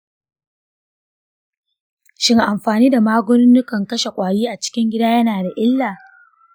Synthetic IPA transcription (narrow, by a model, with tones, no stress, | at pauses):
ʃɪ˦ŋʔa˨mɸaː˨niː˦da˨maː˦ɡʷʊ˦nɪ˦nːʊ˦kɐ˨ŋkɐ˦ʃe˨kʷʼaː˨jiː˦ʔa˨t͡ʃɪ̥˦kʲɪ˦ŋɡʲɪ˦daː˦jɐ˦naː˨da˨ʔɪ˦lːaː˨